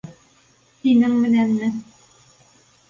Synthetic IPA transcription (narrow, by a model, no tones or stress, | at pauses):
t̪inɘŋmɘ̆nænmɘ